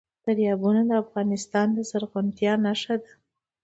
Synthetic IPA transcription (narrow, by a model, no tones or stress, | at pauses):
d̪̥aɾjɑbunad̪əafɣɑnɪst̪ɑnd̪əzaɾɣʊnt̪jɑnaʃad̪a